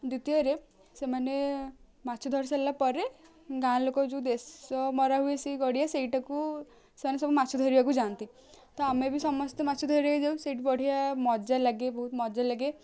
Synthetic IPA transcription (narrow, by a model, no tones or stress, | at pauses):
d̪ut̪iɔɾe | semane | mat͡ʃʰɔd̪ʱɔɾsalapɔɾe | ɡãlokɔd͡ʒẽd̪esɔmɔɾaɦuesiɡɔɽijaseiʈaku | semanesɔbɔmat͡ʃʰɔd̪ʱɔɾibakud͡ʒant̪i | t̪ɔamebisɔmɔst̪ɔmat͡ʃʰɔd̪ʱɔɾakid͡ʒawseiʈbɔɽ̤ijamɔd͡ʒalaɡebɔɦut̪mɔd͡ʒalaɡe